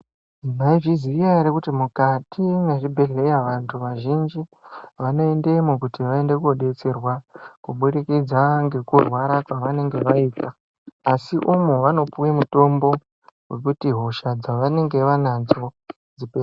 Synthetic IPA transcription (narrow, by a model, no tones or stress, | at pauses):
im̤aiʐizirijaɾekutimukatʰiŋɡeʐibʱe̞ɮe̞jaʋantʰuʋaʒind͡ʒiʋano̞ende̞mukutiʋae̞nde̞kuoɗe̞t͡serwakuɓuɾikid͡zaŋɡe̞kurwaɾakwaʋane̞ŋɡe̞ʋaiːtaː | siʔumuʋano̞puwemuto̞mbo̞ | ɦwe̞kutiɦo̞ʃad͡zaʋane̞ŋɡe̞ʋanad͡zo̞ | d͡zipe